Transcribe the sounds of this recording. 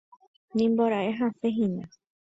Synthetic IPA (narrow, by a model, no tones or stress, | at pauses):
nĩmboɾaʔeɦãseɦĩnã